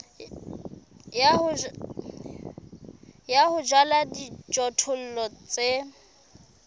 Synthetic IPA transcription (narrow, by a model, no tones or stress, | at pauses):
jahʊ | jahʊd͡ʒwaladid͡ʒɔtʰʊl̩lɔt͡sʼe